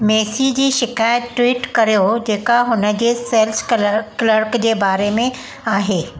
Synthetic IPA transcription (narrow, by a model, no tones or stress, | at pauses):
meːsid͡ʑiːʃɪkaːjət̪ʈːwiːʈkɐɾijod͡ʑeːkaɦʊnə̆d͡ʑeːseːlskləɾkd͡ʑeːbaːɾemẽ | aːɦeː